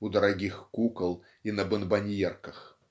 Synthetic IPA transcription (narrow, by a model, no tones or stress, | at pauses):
ud̪ɐɾaɡʲixkukɐlˠ | inɐbɨnbanʲjɛrkɐx